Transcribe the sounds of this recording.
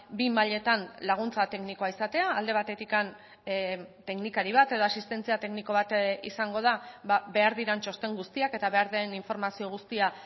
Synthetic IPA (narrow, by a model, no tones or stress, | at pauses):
bimaʎe̞t̪anlaɣ̞unt͡sat̪e̞kniko̞aisat̪e̞aːld̪e̞β̞at̪e̞t̪ikan | t̪e̞knikaɾiβat̪e̞ðo̞asist̪e̞nt͡siat̪e̞kniko̞β̞at̪ḭsaŋɡo̞ð̞ababe̞aɾðiɾant͡ʃo̞st̪e̞ŋɡust̪iake̞t̪aβe̞aɾðeniɱfo̞ɾmasio̞ɣ̞ust̪ia